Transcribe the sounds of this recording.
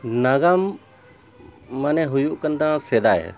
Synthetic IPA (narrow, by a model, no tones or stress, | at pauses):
naɡam | anɛɦujuʔkənd̪ãsed̪ajɛ̰